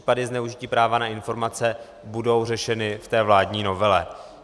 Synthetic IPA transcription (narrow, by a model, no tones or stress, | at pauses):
i̥padɪznɛuʒɪciːpɾaːvanaɪnfo̞ɾmat͡sɛ | budo̞wr̝ɛʃɛnɪft̪ɛːvlaːdɲiːno̞vɛlɛ